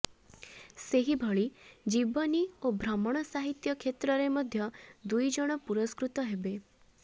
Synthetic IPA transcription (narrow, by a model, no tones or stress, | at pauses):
seɦibʱɔɭid͡ʒibɔniobʱɾɔmɔɽ̃ɔsaɦit̪jɔkʰet̪ɾɔɾemɔd̪ʱjɔd̪ujd͡ʒɔɽ̃ɔpuɾɔskɾut̪ɔɦebe